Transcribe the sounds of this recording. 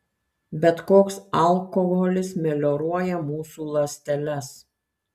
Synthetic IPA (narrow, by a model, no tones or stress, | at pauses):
bʲɛt̪koːksɐlˠkɔɣɔlʲɪsmʲɛlʲɔɾuɔjɛmuːsuːlˠɐsʲt̪ʲɛlʲɛs